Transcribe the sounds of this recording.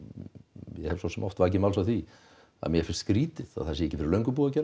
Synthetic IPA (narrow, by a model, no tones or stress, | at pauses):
jɛhɛvsɔsɛmʔɔft̪vaːc̬ɪmaw̪s̬awθvi | a̰ðmjɛɾfɪnst̪skɾiːt̪ɪða̰ðθasjɛehcːɪfɪɾɪɾlœɥŋkʏpuːacɛːɾ